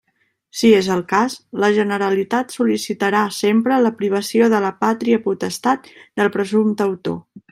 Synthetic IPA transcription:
siezəlˠkasləʒənəɾəlit̪at̪sulisit̪əɾasempɾələpɾiβ̞əsioðələpat̪ɾiəput̪əst̪at̪̚d̪əlˠpɾəzumt̪əwt̪o̰

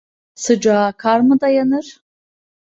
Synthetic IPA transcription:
sɨd͡ʒaːkʰarmɨdajanɨr

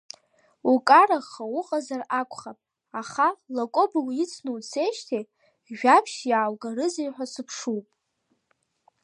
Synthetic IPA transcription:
ukʼaɾaχawʊqʼazarakʷʰʼχapʼ | aχalakʷʼoblit͡sʰnuwt͡sʰejʃtʰe | ʒᶣapʰʃjaːlɡaɾɨzijħʷᶣasɨpʰʂuwpʼ

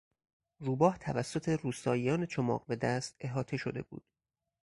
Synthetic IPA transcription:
ruːbɒːht̪ʰævæsːo̞t̪ʰe̞ruːsɒːjijɒːnet͡ʃʰomɒ̰ːqbed̪æst̪e̞ɦɒːt̪ʰe̞ʃo̞d̪e̞̰bṵːd̪̥

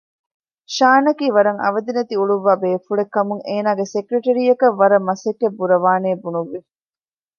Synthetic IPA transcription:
ʃaːnɐkiːʋɐɾɐŋɐ̰ʋɐd̪inɐt̪iuɭuʋːaːbeːfuɭekːɐmuŋeːnaːɡesekɾeʈɐɾijɐkɐʋːɐɾɐmːɐsekːebːuɾɐʋaːneːbunuʋːi

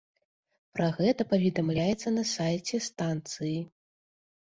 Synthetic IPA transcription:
pɾaɣɛt̪ɐpɐvʲɛd̪amlʲajɛt̪sːɐnɐsajt͡sʲɛst̪ant̪sɨji

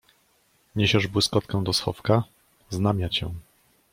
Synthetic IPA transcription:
ɲeɕɛʐbwɘskɔt̪kɛw̃d̪ɔsxɔ̰fka | znamʲjat͡ɕɛ̰w̃

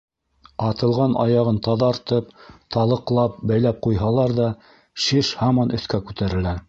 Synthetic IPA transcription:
ɑt̪ɤ̆lˠʁɑnɑ̰jɑʁɤnt̪ɑðɑɾt̪ɤpt̪ɑlˠɤ̆qlˠɑp̚bæjlæp̚qujɦɑlˠɑɾðɑ | ʃiʃhɑmɑnʔɵ̆θkækʉt̪æɾɘ̆læ

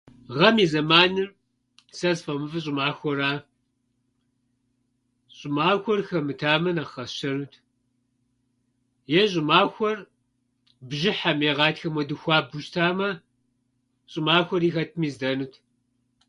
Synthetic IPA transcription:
ʁɐmiːzɐmaːnɨr | sɐzfɐmɨfɨɕ̬ʼɪmaːxʷɔɾaː | ɕʼɪmaːxʷɔrxɐmɨtʰaːmɐnɐχɐʃɐnuːtʰ | jɛʑʼɪmaːxʷɔr | bʒɪħameːʁɑːtxɐmwɔdɨxʷɑːbʊʃtʰaːmɐ | ɕʼɪmaːxʷɔɾiːxɐtʰmiːzdɐnutʰ

